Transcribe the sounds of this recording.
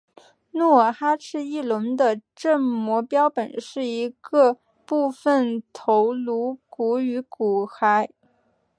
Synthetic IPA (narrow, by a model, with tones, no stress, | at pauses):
nɔ˥˩xa˥ʈ͡ʂʰɻ̩˥˧i˥˩lə˧˥nd̪ə˧ʈ͡ʂə˥˩ŋmwɔ˧˥pjɑ˥ʊpə˨˩nʂɻ̩˥˩i˧˥ɡə˧ | pu˥˩˧fə˨˩nt̪ʰo˧˥ʊlu˧˥ku˧˥y˧˥ku˨˩xa˧˥ɪ